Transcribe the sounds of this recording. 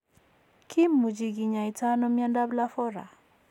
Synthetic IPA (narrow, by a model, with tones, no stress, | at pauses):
kʰi˦mːu˨d͡ʒi˨ɡi˨ɲa˨i˨ta˦nɔ˦mja˦nda˦bla˦fɔ˦ɾa̰˨